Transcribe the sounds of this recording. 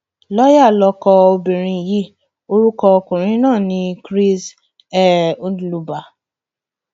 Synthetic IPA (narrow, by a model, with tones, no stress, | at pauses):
lɔ˦ja˦˨lɔ˧kɔ˧o˧bĩ˨ɾ̃ĩ˧˨ji˦ | o˧ɾu˦kɔ˧kũ˨ɾ̃ĩ˦nãː˦˨nĩ˧kɾi˦s | ɛ˨ũ˦dlu˧ba˨